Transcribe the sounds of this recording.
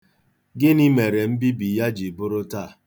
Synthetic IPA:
ɡɪ˦ni˦me˨ɾe˨m̩˦bi˦bi˨ja˦d͡ʒi˨bʊ˦ɾʊ˦ta˦˨

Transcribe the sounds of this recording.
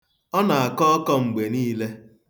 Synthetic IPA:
ɔ˦na˨a˨kɔ˦ɔ˦kɔ˦ŋ͡m̩˨ɡ͡be˨niː˦le˦

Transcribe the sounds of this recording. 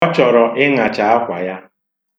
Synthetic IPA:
ɔ˦t͡ʃɔ˨ɾɔ˨ʔɪ˦ŋa˨t͡ʃa˨a˦kʷa˨ja˦

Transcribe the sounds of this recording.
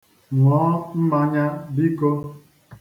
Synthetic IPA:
ŋɔː˨˦m̩˦ma˦ɲa˦bi˦ko˦

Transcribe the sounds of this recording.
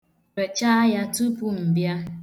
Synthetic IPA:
e˨t͡ʃa˦ja˦tu˦pu˦m̩˨bja˦

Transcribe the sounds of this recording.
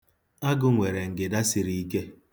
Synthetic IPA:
a˦ɡʊ˨ŋʷe˨ɾe˨ŋ̩˨ɡɪ˨da˦si˨ɾi˦i˦ke˦

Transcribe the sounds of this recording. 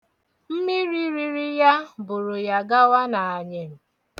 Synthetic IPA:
m̩˦mi˦ɾi˦ɾi˦ɾi˦ja˦bʊ˨ɾʊ˨ja˨ɡa˦wa˦na˨a˨ɲe˨m̩˨

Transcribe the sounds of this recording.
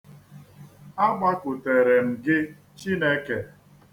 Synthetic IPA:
a˦ɡ͡ba˦kʊ˨te˨ɾe˨m̩˨ɡɪ˦ | t͡ʃi˦ne˦ke˨

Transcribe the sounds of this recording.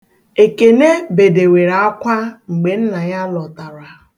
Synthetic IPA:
e˨ke˨ne˦be˨de˨we˨ɾa˨˦a˦kʷa˦ŋ͡m̩˨ɡ͡be˨n̩˦na˨ɲa˦lɔ˨ta˨ɾa˨

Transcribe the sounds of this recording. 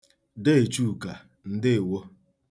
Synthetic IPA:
de˦e˨t͡ʃu˦˨ka˨ | n̩˦dɪ˦˨wo˦

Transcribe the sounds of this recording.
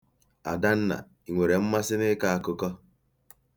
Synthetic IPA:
a̰˨da˦n̩˦na̰˨ | i˨ŋʷe˨ɾe˨m̩˦ma˦sɪ˦nɪ˦ka˦a˦kʊ˦kɔ˦

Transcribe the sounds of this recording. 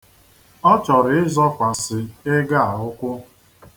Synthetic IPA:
ɔ˦t͡ʃɔ˨ɾɪ˨ɪ˦zɔ˦kʷa˨sɪ˨ɪ˦ɡa˦˨a˨ʊ˦kʷʊ˦

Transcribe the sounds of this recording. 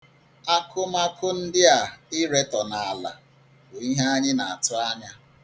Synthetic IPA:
a˦kʰʊ˦ma˦kʰʊ˦n̩˦dɪ˦a˨ɪ˦ɾe˦tɔ˨na˨a˨la̰˨ | bo˨i˦ɦe˦a˦ɲɪ˦na˨a˨tʊ˦a˦ɲa˦

